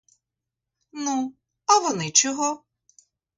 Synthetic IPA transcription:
nu | ɐʋɔnɪt͡ʃɔɦɔ

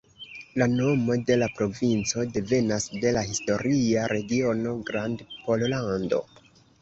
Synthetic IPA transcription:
lano̞mo̞de̞lapɾo̞vint͡so̞de̞ve̞nasde̞lahisto̞ɾiaɾʔe̞ɡio̞no̞ɡɾandpo̞llando̞̰

